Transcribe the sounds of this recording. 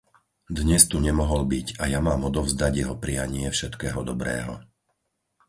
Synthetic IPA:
d̪ɲɛst̪uɲɛmɔɦɔlbiɟajamaːmɔd̪ɔʊzd̪aɟjɛɦɔpɾijaɲɪɛfʃɛt̪kɛːɦɔd̪ɔbɾɛ̰ːɦɔ̰

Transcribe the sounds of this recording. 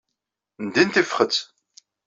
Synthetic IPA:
nd̪int̪ifχət͡s

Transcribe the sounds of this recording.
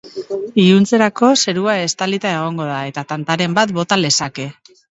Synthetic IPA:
iunt͡se̞ɾako̞se̞ɾuae̞st̪alit̪ae̞ɣ̞o̞ŋɡo̞ð̞ae̞t̪at̪ant̪aɾe̞mbat̪bo̞t̪ale̞sake̞

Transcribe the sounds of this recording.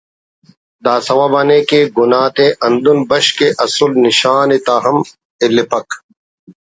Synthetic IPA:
d̪aːsɐwaːbɐnekeɡunaːt̪eʔɐnd̪unbɐɕkeʔɐsulniɕaːnit̪aːɦɐm | ilipɐk

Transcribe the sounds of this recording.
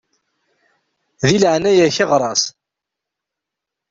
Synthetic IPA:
ðilʕnæjæçɪʁɾˤɑs

